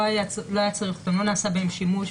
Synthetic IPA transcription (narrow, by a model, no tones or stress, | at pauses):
ajaloajat͡saʁiχt̪amlo̞naːsabeemʃimuʃ